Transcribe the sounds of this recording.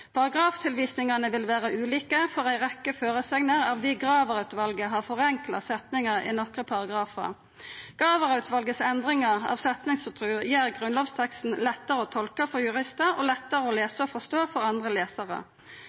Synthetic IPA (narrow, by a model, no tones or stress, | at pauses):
pʰɑʁɑɡʁɑːft̪ʰɪlʋiːsnɪŋɑnəʋɪlʋæːʁəʉːliːkəfɔʁæɪʁɛkːəføːʁəsɛŋnəʁɑʋd̪ɪɡʁɑːʋəʁɑʉt̪ʋɑlɡəɦɑʁfɔʁɛŋklɑ̰sɛt̪nɪŋɑʁɪ̰nɔkʁəpʰɑʁɑɡʁɑːfə̰ʁ | ɡ̥ʁɑːʋəʁɑʉt̪ʋɑlɡəsɛnd̪ʁɪŋɑʁɑ̰ːʋsɛt̪nɪŋsfɔt̪ʰʁʉːjæːʁɡʁʉnloːʋst̪ʰɛkst̪n̩lɛt̪ːəʁəɔːt̪ʰɔlkəfɔjʉʁɪst̪əʁɔ̰ːlɛt̪ːəʁəoːleːsəɔfɔst̪oːfɔʁɑnd̪ʁəleːsɑʁə̰